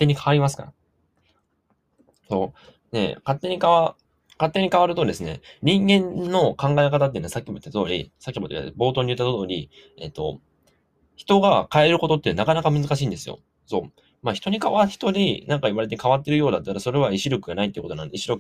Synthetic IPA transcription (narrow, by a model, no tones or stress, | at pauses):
t̪ːe̞ɲ̟ikʰaβaɾimasɨ̥ka̰ | so̞ː | ne̞̰kat̪ːe̞ɲ̟ikaβa | kat̪ːe̞ɲ̟ikaβaɾɯoːɾʲid̪e̞sɨne̞̰ɲ̟ĩŋɡẽ̞nːo̞kãŋɡaekat̪at̪̬ːeinasakʲːimoit̪ːat̪o̞ːɾʲḭsakʲːimo̞t̪eḭa̰bo̞ːt̪o̞ːɲ̟iɯ̟t̪ːat̪ooːɾʲi | e̞̰t̪ːo̞ | çi̥t̪o̞ɡakae̞ɾɯ̟ko̞t̪o̞t̪ːenakanakamɯ̟zɨkaɕiːnd̪e̞sɨjo̞̰ | so̞ː | maçi̥t̪o̞ɲ̟ikaβaçi̥t̪o̞ɾʲinãŋkaiβaɾe̞t̪ekaβat̪ːe̞ɾɯ̟jo̞ːd̪at̪ːaɾaso̞ɾe̞βaiɕiɾo̞kɯ̟ɡanait̪ːeiɯkotonã̰nd̪eiɕiɾokɯ